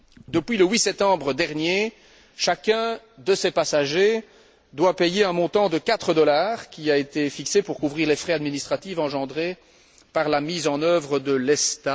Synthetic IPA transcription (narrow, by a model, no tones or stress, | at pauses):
d̪əpɥiləwisɛp̚t̪ɑ̃bʁəd̪ɛʁnje | ʃakʲɛ̃ | d̪əsepasaʒe | d̪wapejeɛ̃mɔ̃t̪ɑ̃d̪əkat̪χəd̪ɔlaːʁkʲiaet̪efiksepuʁkuvʁiːʁlefχɛad̪minist̪χat̪ivɑ̃ʒɑ̃d̪ʁe | paʁlamizɑ̃nœvʁəd̪əlɛst̪a